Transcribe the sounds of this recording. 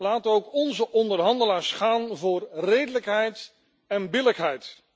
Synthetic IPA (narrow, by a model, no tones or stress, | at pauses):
laːtənowkɔnzəʔɔndəɹɦɑndəlaːɹsχaːnvʊːrrejdələkɦɛjt | ɛnbɪləkɦɛjt